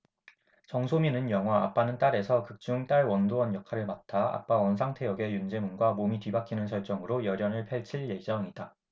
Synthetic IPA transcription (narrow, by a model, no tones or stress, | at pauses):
t͡ɕʌŋsʰominɯnjʌŋɦwaap͈anɯnt͈aɾe̞sʰʌkɯk̚t͡ɕ͈uŋt͈aɭwʌndowʌnjʌkʰaɾɯɭmatʰaa̰p͈awʌnsʰaŋtʰe̞jʌɡe̞jund͡ʑe̞munɡwamomitɥibakʰinɯnsʰʌɭt͡ɕ͈ʌŋɯɾojʌɾjʌnɯɭpʰeɭt͡ɕʰiɭje̞d͡ʑʌŋid̥a